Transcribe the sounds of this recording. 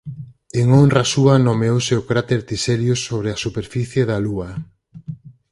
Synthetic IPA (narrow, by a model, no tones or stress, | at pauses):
eŋonrasuanomeowseokɾat̪eɾt̪iseɾjʊsoβ̞ɾeasupeɾfiθjeðalua